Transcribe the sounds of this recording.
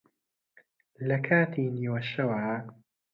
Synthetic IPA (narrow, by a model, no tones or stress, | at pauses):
lɐkʰaːt̪ʰiːniːwɐʃɐwaː